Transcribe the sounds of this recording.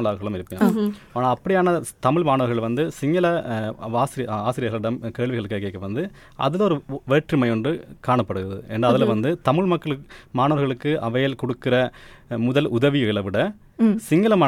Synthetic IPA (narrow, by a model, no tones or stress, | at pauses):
ɐlaːɾɣɐɭɯmɪɾɯpːɯŋaːnaːɐpːɐɽɪjaːnɐt̪ɐmɪɭmaːnɐʋɐɾɣɐɭʋɐnd̪ɯsɪŋɡɐlɐʋaːsɪɾɪjɐaːsɪɾɪjɐɾɣɐɭɪɽɐmkeːɭʋɪɣɐɭɯkːeːkːeːkːɐʋɐnd̪ɯ | ʔɐ̰ðɪlɔɾɯʋeːʈrɯmɐjɔndrɯkaːɳɐpːɐɽɯɣɯɾɐðɯ̰ʔɛ̰nɐɐðɪlʋɐnd̪ɯt̪ɐmɪɭmɐkːɐɭmaːnɐʋɐɾɣɐɭɯkːɯʔɐʋɐjɐlkɔɽɯkːɪɾɐmʊðɐlʊðɐʋiɪɭɐʋɪɽɐ | sɪŋɡɐlɐmɐ